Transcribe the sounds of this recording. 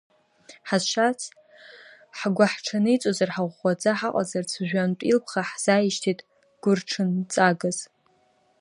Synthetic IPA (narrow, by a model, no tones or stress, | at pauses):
ħazʃʷat͡sʰ | ħɡʷaħʈ͡ʂʰanɨit͡sʷʼozarħaʁʷːad͡zaħaqʼa̰zart͡sʰʒᶣʷantʷʼḭlpʰχaħz̥ajiʃtʰitʼ | ɡ̥ʷʊrʈ͡ʂʰɨnt͡sʼaɡaz̥